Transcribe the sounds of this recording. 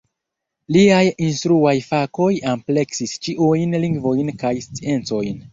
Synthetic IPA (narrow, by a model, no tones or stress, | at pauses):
liajinstɾuajfako̞jample̞ksist͡ʃiʔujnliŋɡvo̞jnkajst͡sie̞nt͡so̞jn